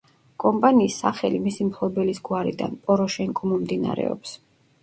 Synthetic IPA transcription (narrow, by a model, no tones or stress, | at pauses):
kʼɔmpʼaniːsːaχɛlimisimpʰlˠɔbɛlisɡwaɾḭd̪a̰npʼɔɾɔʃɛŋkʼɔmɔmd̪ina̰ɾɛ̰ɔ̰ps